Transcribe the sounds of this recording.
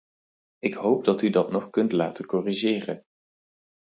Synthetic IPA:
ɪkɦowp̚dɑtydɑtnɔχkɵntlaːtəkɔriʒɪːrə̰n

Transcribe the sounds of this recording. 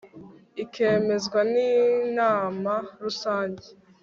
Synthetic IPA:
ikeːme̞zɡwaniːnaːmaɾusaːɲɟe

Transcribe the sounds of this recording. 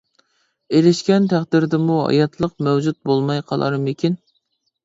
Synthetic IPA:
eɾɪʃkʲɛnt̪ʰæχd̪ɪɾd̪ɪmuɦɑ̰jɑt̪ʰlˠəqmɛwd͡ʒut̪̚bolˠmɑjqʰɑlˠɑ̰ɾmɪkʲʰin

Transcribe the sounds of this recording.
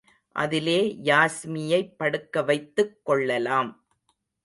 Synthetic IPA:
ʔɐ̰ðɪleːjaːsmɪjɐɪpːɐɽɯkːɐʋɐɪt̪ːɯkːɔɭːɐlaːm

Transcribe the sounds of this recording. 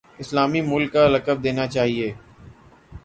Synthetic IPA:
ɪslaːmimʊlkːaɾəkəb̚d̪eːnat͡ʃaːɦieː

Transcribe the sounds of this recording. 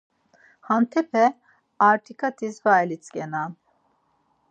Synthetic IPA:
hant̪ʰɛpʰɛ | aɾt̪ʰikʰat̪ʰisvajlit͡sʰʼkʲʼɛnan

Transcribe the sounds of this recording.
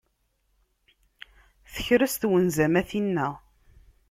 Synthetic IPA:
θə̥çɾəst̪wənzæmæθinːæ

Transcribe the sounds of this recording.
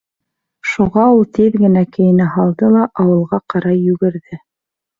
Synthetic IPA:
ʃuʁɑulˠt̪iðɡɘ̆nækɘ̆jɘ̆nɘɦɑlˠd̪ɤlˠɑʔɑwɤ̆lˠʁɑqɑɾɑjjːʉɡɘ̆ɾðɘ

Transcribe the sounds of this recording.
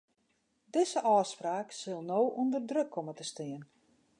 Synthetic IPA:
dɪzəʔɔːspraːksølˠnoːʔundərdrøkʰːomətəstɪən

